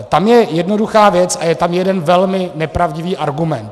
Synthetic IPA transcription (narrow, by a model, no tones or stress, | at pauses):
t̪amjɛjɛdno̞duxaːvjɛt͡sʔajɛt̪amjɛdɛnvɛlmɪnɛpɾavɟɪviːʔaɾɡumɛnt̪